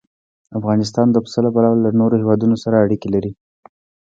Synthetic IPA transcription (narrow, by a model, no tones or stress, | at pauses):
afɣɑnɪs̬t̪ɑnd̪əpsəlapalɑwalːanoɾohewɑd̪unosaɾaːɽikelaɾi